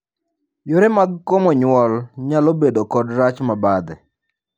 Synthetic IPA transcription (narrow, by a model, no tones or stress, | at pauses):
joɾɪmaɡkomɔɲwɔlɲalɔbedokɔdɾat͡ʃmabad̪ɛ̰